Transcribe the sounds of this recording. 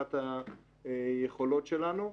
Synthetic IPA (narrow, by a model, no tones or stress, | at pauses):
at̪a | jeχo̞lo̞t̪ʃelanu